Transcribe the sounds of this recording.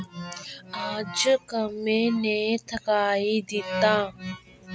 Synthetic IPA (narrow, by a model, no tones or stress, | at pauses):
aːd͡ʒkəmẽːneːt̪ʰəkaːiːd̪ɪt̪ãː